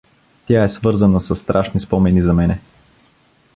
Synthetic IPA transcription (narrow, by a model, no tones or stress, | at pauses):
t̪ʲjaɛsvɤɾzənəsɐsːt̪ɾʔaʃnispɔmɛnizɐmɛnɛ